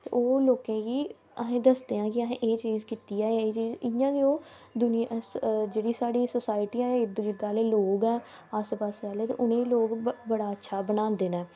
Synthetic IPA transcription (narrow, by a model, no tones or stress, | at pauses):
t̪eːoːloːkẽːkiː | əɦẽːd̪əsd̪eːãːkɪəɦẽːʔeːt͡ʃiːzkiːt̪iːɛːeːt͡ʃiːzɪjãːkioː | d̪ʊnɪd͡ʒeːɽiːsaːɽiːsosaːɪʈiːãːɪd̪ɡɪd̪aːleːloːɡɛː | aspaːsaːleɛːt̪ḛːʔʊnẽːloːɡbəɽaːətːʃʰaːbənãːnd̪eːnɛː